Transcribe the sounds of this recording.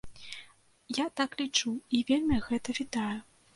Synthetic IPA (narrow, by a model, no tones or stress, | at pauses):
jat̪aklʲit͡ʂuivʲelʲmʲiɣɛt̪ɐvʲid̪aju